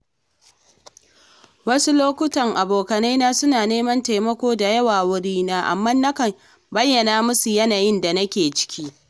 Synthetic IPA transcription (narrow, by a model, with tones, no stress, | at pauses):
wɐ˦su˦loː˦kʷʊ˦tɐ˨ŋʔa˨boː˨kɐ˨na˦naː˦sʊ˦naː˨neː˦mɐ˦nta˨jmɐ˦kʷoː˦da˨jɐ˦waː˨wʊ˦ɽiː˦naː˦ʔa̰˨mːaː˦nːɐ˦kɐ˨ | bɐ˦jːɐ˨naː˦mʊ˦su˨jɐ˦naː˨jɪ˦nda˨nɐ˦kʲeː˨t͡ʃɪ̥˦kʲiː˦